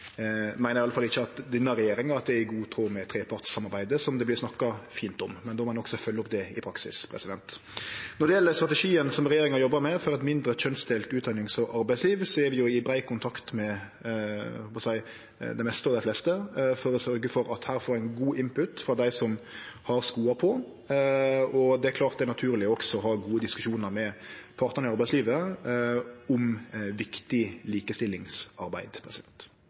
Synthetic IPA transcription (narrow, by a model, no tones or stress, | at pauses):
mæɪnəɾɪɑləfɑlːɪçːəɑt̪d̪ɪnəɾɛjeːɾɪŋɑɾɑt̪̚d̪ɛɪɡuːt̪ʰɾoːmɛt̪ʰɾeːpʰɑʈ̪ssɑmɑɾbæɪd̪əsɔmd̪ɛblɪɾsnɑkːɑfiːnt̪ɔmːɛnd̪oːmɑnɔksɔfœlːɔp̚d̪ɛɪpʰɾɑksɪ̰spʰɾɛ̰sɪd̪ɛ̰nt̪ | nɔɖ̪ɛjɛlːəst̪ɾɑt̪ɛʂiːənsɔmɾɛjeːɾɪŋɑjɔbːəmɛfɔɾɛt̪mɪnd̪ɾət͡ʃœnsd̪eːlt̪ʉːt̪̚d̪ɑnɪŋsɔʔɑɾbæɪsliːʋsɔɛɾʋɪjʊɪbɾæɪkʊnt̪ʰɑkt̪mɛ | hɔːpɑsæɪ | d̪æɛɪmɛst̪əɔʋd̪æɪflɛst̪əfɔɾɔsœɾɡəfɔɾɑt̪hæːɾfɔːɾæɪnɡuːʔɪmpʉt̪fɾɑd̪æɪsɔm | hɑɾskuːɑpʰɔ | ɔd̪ɛæklɑːɾt̪̚d̪ɛɾnɑt̪ʰʉːɾlɪɔksɔɔɦɑːɡuːəd̪ɪskʉʃuːnəɾmɛpʰɑɾt̪nən̩ɪɑɾbæɪsliːʋə | ʊmʋɪkt̪ɪliːkəst̪ɪlːɪŋsɑɾbæ̰ɪd̪pʰɾɛsɪɛ̰nt̪